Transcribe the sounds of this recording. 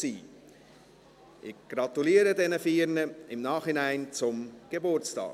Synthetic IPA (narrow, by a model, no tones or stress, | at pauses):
iː | ʔɪxɡ̥ɾɑt̪uliːəɾədɛnəfiːɾnəɪmnaːχhɪnaɪnt͡sʊmɡ̥ebʊɾt͡stɑ̰ː